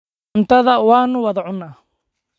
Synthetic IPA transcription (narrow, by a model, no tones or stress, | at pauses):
nt̪ʰɐðɐwɑːnʊwɐðɐʕʊnːaː